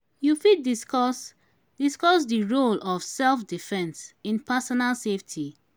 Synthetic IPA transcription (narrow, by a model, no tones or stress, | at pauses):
jufiddiss | d̥iskɔsdiɹolɔfsɛlfdifɛ̃nsĩnpasɔnalseftʰi